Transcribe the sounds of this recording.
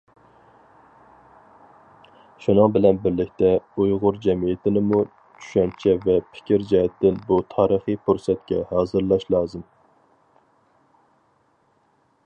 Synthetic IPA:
ʃunɨŋbɪlɛnbɪɾlɪkʲt̪ɛujʁʊɾd͡ʒɛmijɪt̪ʰɪnɪmu | t͡ʃʰy̥ʃɛnt͡ʃʰɛvɛpʰɪ̥kʲʰɪɾd͡ʒɛɦɛt̪ːɪnbut̪ʰɑːɾəχipʰuɾsɛt̪̚kʲɛhɑːzɨɾlˠɑʃlˠɑːzɨm

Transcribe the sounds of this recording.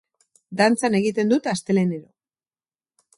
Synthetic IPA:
d̪ant͡sane̞ɣit̪e̞nd̪ut̪ast̪e̞le̞ne̞ɾo

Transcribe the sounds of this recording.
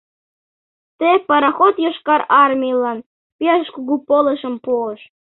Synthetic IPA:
t̪epɑɾɑxot̪joʃkɑɾɑrmʲiəlɑn | pʲiɑʃkuɣupolə̆ʃə̆mpuəʃ

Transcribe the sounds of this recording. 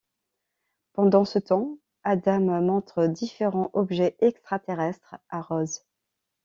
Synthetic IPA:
pɑ̃d̪ɑ̃sət̪ɑ̃ | ad̪ammɔ̃t̪χəd̪ifeʁɑ̃ʔɔbʒɛʔɛkst̪χat̪eʁɛst̪χaʁɔz

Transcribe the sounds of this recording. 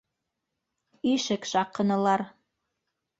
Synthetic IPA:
iʃɘkʃɑqɤ̆nɤ̆lˠɑɾ

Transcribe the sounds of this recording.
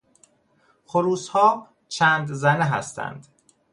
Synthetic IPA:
xoɾuːshɒː | t͡ʃʰæːnd̪zæneɦæst̪ʰæ̰nd̪

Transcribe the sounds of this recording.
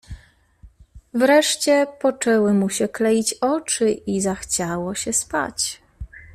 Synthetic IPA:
vɾɛʂt͡ɕɛpɔt͡ʂɛwɘmuɕɛklɛjit͡ɕɔt͡ʂɘizaxt͡ɕawɔɕɛspa̰t͡ɕ

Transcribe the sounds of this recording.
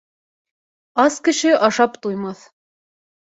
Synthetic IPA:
ɑskɘ̆ʃɘʔɑʃɑpt̪ujmɑθ

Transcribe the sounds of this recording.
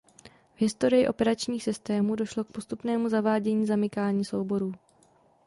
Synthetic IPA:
vɦɪst̪o̞ɾɪjɪʔo̞̰pɛɾat͡ʃɲiːxsɪst̪ɛːmuːdo̞ʃlo̞k̚po̞st̪upnɛːmuzavaːɟɛɲiːzamɪkaːɲiːso̞wbo̞ɾuː

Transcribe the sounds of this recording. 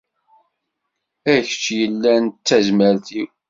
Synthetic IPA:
æçə̥t͡ʃːjəlːænt͡sːæzməɾθiw

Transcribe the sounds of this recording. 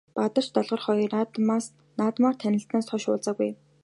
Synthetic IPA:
pat̪ə̆r̥t͡ɕt̪ɔɮʁɞ̆rχɔjɞ̆ras | naːt̪maːr̥t̪ʰænʲɪ̆ɬt̪naːst̪ʰɔʃʊːɮt͡saːɣuj

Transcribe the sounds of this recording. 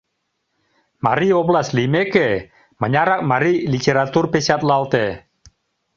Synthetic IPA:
ma̰ɾiɔblaslimeke | məɲaɾak̚maɾilit̪eɾat̪urpesat̪lalt̪ɛ

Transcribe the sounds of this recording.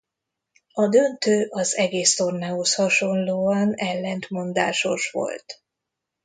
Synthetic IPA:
ɒd̪ø̞nt̪øːʔɒzɛɡeːst̪o̞rnɛoshɒʃo̞nloːɒnɛlːɛnt̪mo̞nd̪a̰ːʃo̞ʃʋo̞̰lt̪

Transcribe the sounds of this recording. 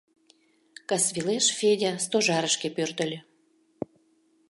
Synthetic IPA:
kɑsβileʃfedʲast̪oʒɑɾəʃkepørt̪ə̆lʲø̆

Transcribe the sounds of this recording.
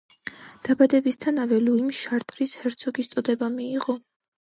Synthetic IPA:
d̪̥abad̪ɛbist̪ʰanavɛluimʃaɾt̪ʼɾishɛɾt̪sʰɔɡist̪sʼɔd̪ɛbamiːʁɔ

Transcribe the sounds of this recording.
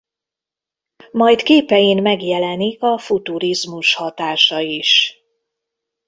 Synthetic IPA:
mɒjt̪keːpɛjinmɛɡjɛlɛnikɒfut̪uɾizmuʃhɒt̪aːʃɒiʃ

